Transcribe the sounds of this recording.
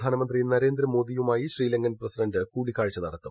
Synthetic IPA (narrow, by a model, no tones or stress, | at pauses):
d̪ʱaːnɐmɐnd̪rinɐɾe̞ːnd̪ɾɐmo̞ːd̪ijumaːjiɕriːlɐŋɡɐnprɐsidɐɳdɨkuːɽikːaːɻt͡ɕːɐnɐɽɐt̪ːum